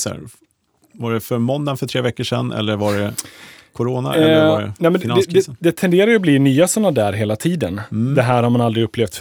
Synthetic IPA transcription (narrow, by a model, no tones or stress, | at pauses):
ɛ̰ɾ | vaɖɛfœɾmɔnd̪anfœʈʰɾeːvɛkːəʂɛ̰nːʔɛ̰lːəɾvaɖɛkʰʊɾoːna̰ɛlːɛnɛmɛnd̪ɛd̪ɛd̪ɛt̪ʰɛnd̪eːɾaɾjəbliːnyːasɔnːad̪æːɾɦeːlat̪ʰiːd̪ənd̪ɛɦæːɾhaɾmanald̪ɾɪɵpːleːft̪